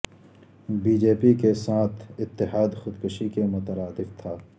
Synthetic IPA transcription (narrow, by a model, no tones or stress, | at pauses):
biːd͡ʒeːpikesaːt̪ʰɪt̪ːɪɦaːd̪xʊd̪kʊʃikemʊt̪əɾaːd̪ɪft̪ʰaː